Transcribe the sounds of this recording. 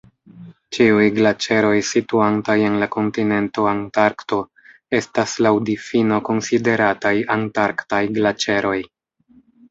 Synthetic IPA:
t͡ʃiujɡlat͡ʃe̞ɾo̞jsituantaje̞nlako̞ntine̞nto̞antaɾkto̞ | e̞staslawdifino̞ko̞nside̞ɾatajantaɾktajɡlat͡ʃe̞ɾʔo̞j

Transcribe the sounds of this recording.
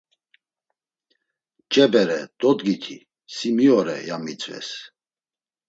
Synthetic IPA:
t͡ʃʼɛbɛɾɛd̪̥ʼɔd̪ɡit̪ʰi | simiɔɾɛ̰jamit͡sʼvɛ̰s

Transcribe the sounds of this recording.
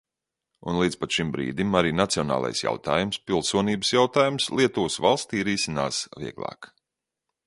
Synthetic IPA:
ṵnlˠiːd̪spat̪ʃimbɾḭːd̪imaɾiːnat̪siɔna̰ːlˠa̰jsja̰wt̪aːjumspilˠsuɔniːbə̥sjawt̪aːjumslˠiɛt̪uːsvalˠst̪iːɾiːsinaːsviɛɡlˠa̰ːk

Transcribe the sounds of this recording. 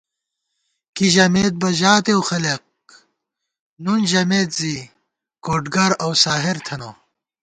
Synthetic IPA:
kiʑɐmeːt̪̚bɐʑaːt̪ewxɐleq̚ | nunʑɐmeːt̪zi | koːʈɡɐɾɐwsaːɦeɾt̪ʰɐnoː

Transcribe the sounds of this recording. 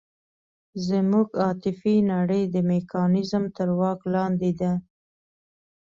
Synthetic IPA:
zəmuɡɑt̪ɪfinaɽəjd̪əmekʰɑnɪzmt̪əɾwɑklɑnd̪ed̪a

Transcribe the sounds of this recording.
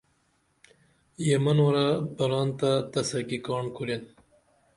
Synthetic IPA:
jemɐnwɐɾabɐɾɑːnt̪at̪ɐsɐkikɑːɳkʰuɾen

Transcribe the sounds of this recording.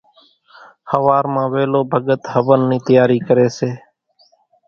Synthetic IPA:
həʋaːɾmãːʋeːloːbʱəɡət̪həʋənːĩːt̪əjaːɾiːkəɾeːseː

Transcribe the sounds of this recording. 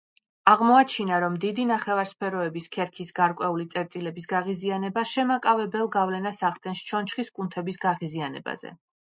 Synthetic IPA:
aʁmɔat͡ʃʰinaɾɔmd̪id̪inaχɛvaɾspʰɛɾɔɛbiskʰɛɾkʰisɡaɾkʼwɛulit̪sʼɛɾt̪ʼilɛbisɡaʁizianɛbaʃɛmakʼavɛbɛlˠɡavlɛnasaʁt̪ʼɛnst͡ʃʰɔnt͡ʃχiskʼunt̪ʰɛbisɡaʁizianɛ̰ba̰z̥ɛ̰

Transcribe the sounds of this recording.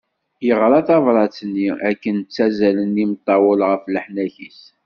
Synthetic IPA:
jəʁɾˤɑθɑvɾˤɑt͡sːnːiækːənt͡sːæzælənimət̪ˤːɑwəlʁəfləħnæçis

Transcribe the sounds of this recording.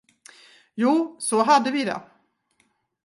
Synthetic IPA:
juːsɔɦad̪ːəvɪd̪ɛ̰

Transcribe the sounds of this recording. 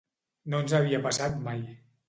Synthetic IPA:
nonzaβ̞iapasat̪maj

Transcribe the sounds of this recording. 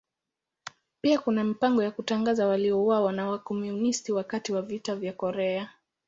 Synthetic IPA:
piakunamipaŋɡɔjakutaŋɡazawaliɔuwawanawakɔmjunistiwakatiwavitavjakɔɾɛa

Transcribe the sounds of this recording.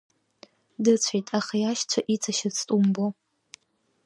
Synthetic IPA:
dɨt͡sʷʰejtʼaχajaʃt͡ɕʷʰaʔit͡sʰaʃɪt͡sʰtʼumbo

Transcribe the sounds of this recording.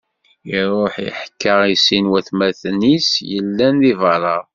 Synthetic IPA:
iɾˤoħḭħkːəʁisinwæθmæθnisjəlːænðivɑɾˤɑɾˤ

